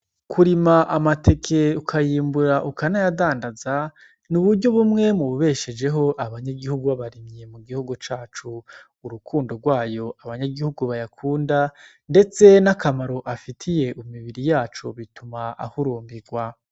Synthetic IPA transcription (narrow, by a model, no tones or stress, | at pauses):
kʰuɾimaʔamatʰe̞kʰe̞ukʰajiːmbuɾaʔukanajadaːndaza | nuβuɾɟo̞βumŋe̞muβuβe̞ʃed͡ʒe̞ɦo̞ʔaβaɲaɡihuɡuβaβaɾimje̞muɡihuɡut͡ʃaːt͡ʃuː | ɾukʰuːndo̞ɡwaːjo̞aβaɲaɡihuɡuβajakʰuːnda | nde̞t͡se̞nakamaɾo̞ʔafitʰije̞ʔumiβiɾijaːt͡ʃo̰βitumaa̰huɾuːmbiɡwa